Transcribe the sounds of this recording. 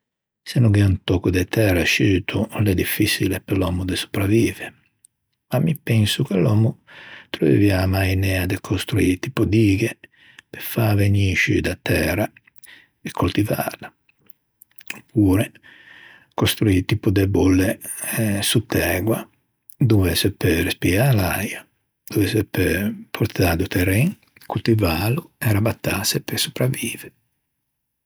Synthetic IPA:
senuɡɛunt̪ɔkud̪ɛt̪ɛraʃyːt̪ʰulɛd̪ifːisilepelɔːmud̪esu̥pɾaviːve | mamːipɛnsukelɔːmut̪ɾovḛviamajnɛːad̪ekʰost̪ɾuit̪ipud̪iːɡe | pefaveɲiʃḭd̪at̪ɛːɾa | ɛkʰːult̪iva̰la | opʰːuːɾɛ | kost̪ɾuiːt̪ipud̪ɛbolːe | sut̪ːɛːɡwa | d̪uvɛsɛperespialaja | d̪̥uvɛsɛpepʰoɾt̪aːd̪ut̪ʰɛɾɛŋ | kult̪ivaluɛɾabat̪ːasepesu̥pɾavːiːve

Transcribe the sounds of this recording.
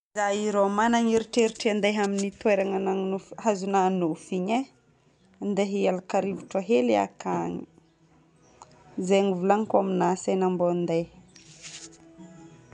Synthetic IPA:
izaiɾomanaŋiɾiʈ͡ʂeɾiʈ͡ʂiand̪ajɦaminit̪weɾaŋananufɦazunanufiɲe | nd̪eɦialakaɾivuʈ͡ʂaɦelia̰kaŋ | zeŋivulaŋkuaminasanambond̪aj

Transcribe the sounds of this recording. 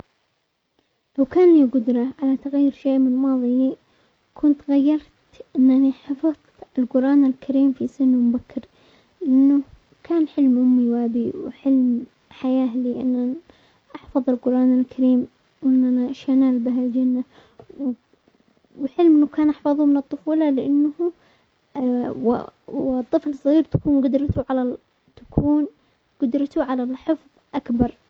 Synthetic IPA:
lawkaːnliɡʊd̪ɾˤɑʕalat̪aɣjːɾʃeːʔmɪnmɑːðˤi | kʰʊnt̪ɣajːɑɾˤt̪ | ʔɪnːʔaniħɑfɑðˤ | ɪlqʊɾˤʔɑːnalkʰaɾiːmfisɪnmʊbakːɾ | lʔʔɪnːu | kʰaːnħɪlmʔʊmːiwʔabiwħɪlm | ħajaːliʔɪnːʔan | ʔɑħfɑðˤɪlqʊɾˤʔaːnalkʰaɾiːm | wʔɪnːʔanaʃanaːlbɪɦald͡ʒanːa | w | wħɪlmʔɪnːakaːnʔɑħfɑðˤumɪnɨt̪ˤːʊfuːlɑlɪʔɪnːh | wɪt̪ˤːɨflsˤːɣiːɾt̪ḁkuːnɡʊd̪ɾɑt̪uʕala | t̪ḁkʰuːn | ɡ̥ʊd̪ɾɑt̪uʕalalħʊfðˤʔakbɑɾˤ

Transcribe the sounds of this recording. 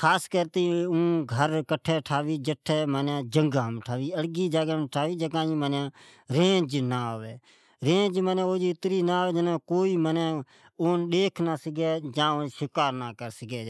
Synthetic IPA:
kʰaːskəɾt̪eːũːɡʱəɾkəʈʰɛːʈʰaːʋiːd͡ʒəʈʰːɛːmənjãːd͡ʒəŋɡaːmʈʰaːʋiːəɽɡiːd͡ʒaːɡãːmʈʰaːʋiːd͡ʒəkãːĩːmənjãː | ɾẽːd͡ʒnaːɦoʋeː | ɾẽːd͡ʒmənɛ̃ːoːd͡ʒiːɪt̪ɾiːnãːɦʋeːd͡ʒənãːkoːiːmənãː | oːnɗeːkʰnaːsəɡɛːd͡ʒãːoʃɪkaːɾnaːkəɾsəɡɛː

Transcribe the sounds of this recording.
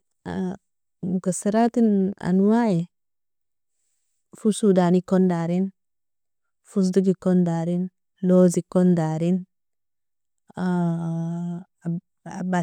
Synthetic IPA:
a | mukasiɾatina̰nwai | fusudanikondaɾin | fus̬duɡikondaɾin | lozikɔndaɾin | a | aba

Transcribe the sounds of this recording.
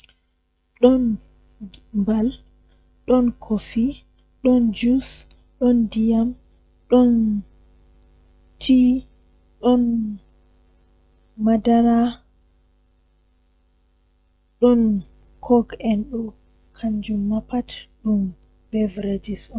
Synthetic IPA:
ɗɔn | mbal | ɗɔnkʰofi | ɗɔnd͡ʒus | ɗɔndijam | ɗɔn | tʰi | ɗɔn | madaɾa | ɗɔn | kʰɔɡɛnɗɔ | kʰaɲd͡ʒumːapatɗum | b̥ɛvɾed͡ʒisɔ

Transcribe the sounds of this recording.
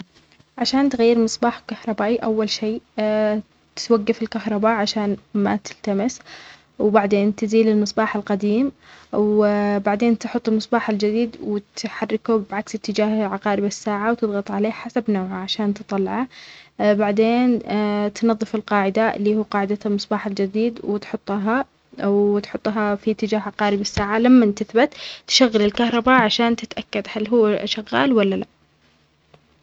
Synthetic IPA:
ʕaʃaːnt̪ɣajːɪɾmɨsˤbɑːħkahɾˤɑbaːʔiʔawːalʃeː | t̪ɪ̥t̪waɡːafɪlkahɾˤɑbaːʔʕaʃaːnma̰t̪ɪlt̪amɪs | wbaʕd̪eːnt̪ɪziːlɪlmɨsˤbɑːħalqɑd̪iːmwbaʕd̪eːnt̪ħʊt̪ˤːɪlmɨsˤbɑːħɪld͡ʒɪd̪iːd̪wɪt̪ħarːɪkubʕaksɪt̪ːɪd͡ʒaːhʕaqɑːɾɪbasːaːʕawt̪ɨðˤɣɑt̪ˤʕaleːħasabnaːʕaʕaʃaːnt̪ɨt̪ˤɑlːɑʕa | baʕd̪eːnt̪nɑðˤːɨfɪlqɑːʕɪd̪alːiːhuːqɑːʕɪd̪almɨsˤbɑːħald͡ʒɪd̪iːd̪wɪt̪ħʊt̪ˤːɦa | wt̪ħʊt̪ˤːɦafit̪ːɪd͡ʒaːɦʕaqɑːɾɪbasːaːʕalamːant̪aθbat̪t̪ːʃaɣːɪlɪlkahɾˤɑbaʕaʃaːnt̪ɪt̪ʔakːad̪halɦuwːʃaɣːa̰ːlwalːala̰ʔ

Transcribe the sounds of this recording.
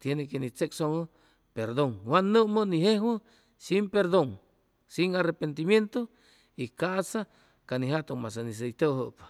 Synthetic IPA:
t̪jenekenit͡seksoŋə | peɾd̪oŋwanːəməniɦehwə | simpeɾd̪oŋ | siŋarepent̪imjent̪o | ikasa | kaniɦat̪oŋmas̬anis̬ejt̪oɦəp

